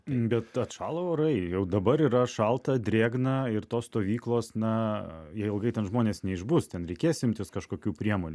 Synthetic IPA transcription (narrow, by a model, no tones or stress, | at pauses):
bʲɛt̪ɐt̪ʃɑːlˠooɾɐɪjɛʊd̪ɐbɐɾiːɾɐʃɐlˠt̪ɐd̪ʲɾʲeːɡnɐɪɾt̪oːsst̪oːʋʲiːklˠoːsnɐjɛɪɪlˠɡɐɪtʲɛnʒmoːnʲeːsnʲɛɪʒbʊst̪ʲɛnɾʲɛɪkʲeːjsɪmʲt̪ʲɪskɐʃkoːkʲuːpʲɾʲiɛmoːnʲː